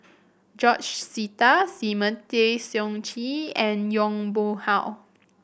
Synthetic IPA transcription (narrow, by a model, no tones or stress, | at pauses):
d͡ʒɔt͡ʃsitasimə̃tesjɔ̃ŋt͡ʃiɛ̃njɔ̃ŋbohaʊ